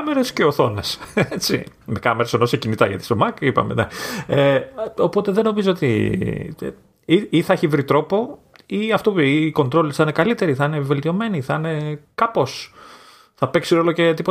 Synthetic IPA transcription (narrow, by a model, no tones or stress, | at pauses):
meɾesceoθo̞neset͡sḭmekɐmeɾesenosecinit̪ɐʝɐt̪i̥somɐkipɐ̰mḛnḛeopo̞t̪e̞ðeno̞mizoot̪ḭ | iiθɐeçivɾit̪ɾo̞po̞ | iɐft̪oiːko̞nt̪ɾo̞lisɐine̞kɐlit̪e̞ɾiθɐine̞ve̞lt̪io̞me̞niθɐine̞kɐpo̞s | θɐpe̞ksiɾo̞loce̞t̪ipo